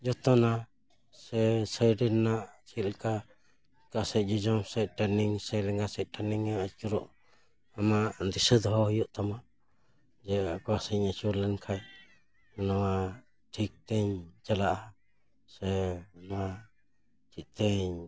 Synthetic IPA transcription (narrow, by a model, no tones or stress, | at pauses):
d͡ʒɔt̪ɔna | sɛsəjɖɛnːaʔt͡ʃilka | kasɛʔ̚d͡ʒɔd͡ʒɔmsɛjʈaniŋsəjlɛŋɡasɛʔ̚ʈaniŋaat͡ʃuɾɔʔ | amaʔdisəd̪ɦɔhjuʔt̪amaʔ | d͡ʒɛkɔwasəɲat͡ʃuɾlɛnkʰaj | nɔwa | ʈʰik̚t̪ɛɲd͡ʒalaʔa | sɛnwa | t͡ʃit̪ɛɲ